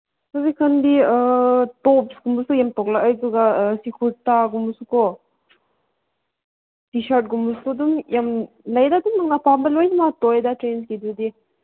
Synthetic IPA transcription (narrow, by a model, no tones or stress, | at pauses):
ɔzikʰɐnbiətɔpsɡumbusujamtɔk̚laʔajzuɡasikʰuɾtaɡumbusukɔ | tisaɾt̚ɡumbuskɔdumjam | lajdadumːaŋnapambɐlojnimatɔjdatɾenskidudi